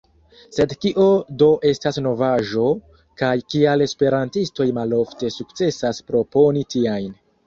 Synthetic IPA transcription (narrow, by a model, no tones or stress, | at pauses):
se̞dkiʔo̞do̞ʔe̞stasno̞vaʒo̞ | kajkiale̞spe̞ɾantisto̞jmalo̞fte̞suk̚t͡se̞saspɾo̞po̞nitiajn